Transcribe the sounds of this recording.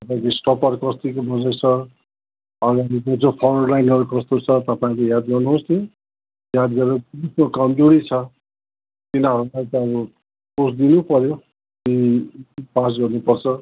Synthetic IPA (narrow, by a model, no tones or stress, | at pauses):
t̪ʌpãĩkosʈʌpʌrkʌst̪ikobʱʌd͡zʌjsʰʌ | ʌɡaɾikod͡zopʰʌrʌrlajnʌɾukʌst̪ot͡sʰʌt̪ʌpaĩkojad̪ɡʌrnuɦost̪ʰio | jad̪ɡʌɾetinisnokʌmd͡zoɽit͡sʰʌ | t̪inaʌɾulajt̪ʌʌbʌ | sosd̪inupʌɾjo | i | pas̬ɡʌrnupʌrt͡sʰʌ